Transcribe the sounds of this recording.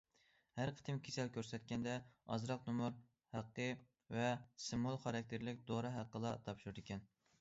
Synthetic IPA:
hæɾqʰə̥t̪ʰɪmkʲʰesɛlkʲøɾsɛt̪̚kʲɛnd̪ɛɑ̰zɾɑq̚numʊɾ | hæqːə | vɛsɨmolˠχɑɾɑk̚ʲt̪ʰeɾlɪkʲd̪oɾɨɦæqːəlˠɑt̪ʰɑpʃuɾɨd̪ɪkʲɛn

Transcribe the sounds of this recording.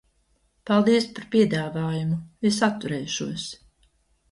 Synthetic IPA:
palˠd̪iɛspaɾpʲiɛd̪aːvaːjumuvis̬at̪ːuɾɛjʃuɔs

